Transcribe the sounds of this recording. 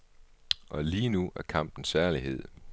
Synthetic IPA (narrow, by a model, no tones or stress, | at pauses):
ʔɒ̽liːnuæɐkʰɑ̈m̰b̥n̩sæɐliɦe̝ð̞̰ˠ